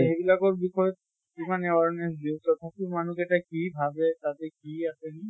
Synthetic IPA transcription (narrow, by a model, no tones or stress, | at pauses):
ebilakɔɹbixɔjɔ | kimaneɔaɹnesdit̪ɔt̪ʰapumanuketakibʱabet̪at̪ɛkiaseni